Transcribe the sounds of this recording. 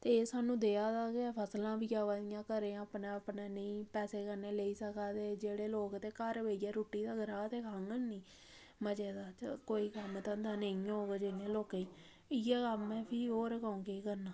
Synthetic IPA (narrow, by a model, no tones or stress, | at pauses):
t̪eːsaːnũːd̪eːaːd̪aːkepʰəslãːbiːaːʋaːd̪ijãːkəɾẽːaːpneːəpneːnəĩːpɛːseːkəɾneːleiːsəkaːt̪eːd͡ʒeːɽeːloːkt̪eːkəɾʋeːaːɾoːʈːiːd̪aːɡəɾaːt̪eːkʰaŋɡənnĩː | məd͡ʒeːd̪aːt͡ʃkoːiːkəmt̪ə̃nd̪aːnəĩɦoːɡeːd͡ʒɪnẽːloːkeiː | ɪjaːkəmɛ̃ːpʰiːɦoːɾkaːũːkeːkəɾnaː